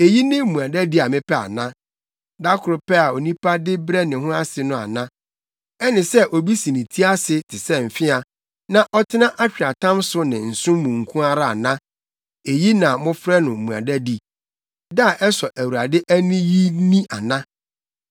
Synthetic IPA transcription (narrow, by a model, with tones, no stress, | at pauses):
e˨ji˦nɪ̃˦˨mũ˨a˨dæ˦di˦a˨mɪ̃˦pʰɛ˦a̰˨nã˦ | da˦kʰʊ˨ɾʊ˨pɛ˦a˨o˨nĩ˦pʰa˦dɪ˦bɾɛ˦nɪ̃˨ɦʊ̃˦a˦sɪ˨nʊ̃˦a̰˨nã˦ | ɛ˦nɪ̃˨sɛ˦ʔo˨bi˦sĩ˨nĩ˨tʰi˦a˦sɪ˨tʰɪ˨sɛ˦m̩˨fɪ˦a˨ | nã˨ʔɔ˦tʰɪ˦nã˦ʔa˦t͡ɕᶣa˨tʰã˦msʊ˦nɪ̃˨n̩˨sʊ̃˦mmũ˨ŋ̩˨kʰũ˦a˦ɾa˦a˨nã˦ | e˨ji˦nã˨mʊ̃˦fɾɛ˦nʊ̃˨m̩˨mũ˨a̰˨dæ˦di˨ | da˦˨ʔɛ˦sɔ˨ʔæ˨wu˨ɾa˨dɪ˦ʔæ˦nĩ˦ji˦nĩ˦a˨nã˦